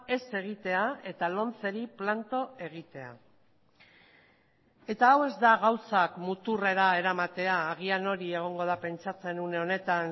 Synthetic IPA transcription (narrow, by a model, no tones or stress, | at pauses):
e̞se̞ɣ̞it̪e̞ae̞t̪alo̞nt͡se̞ɾiplant̪o̞e̞ɣ̞it̪e̞a̰ | e̞t̪aːwe̞zd̪aɣawsakmut̪ure̞ɾae̞ɾamat̪e̞aːɣ̞iano̞ɾie̞ɣ̞o̞ŋɡo̞ð̞ape̞nt͡sat͡se̞nuneo̞ne̞t̪an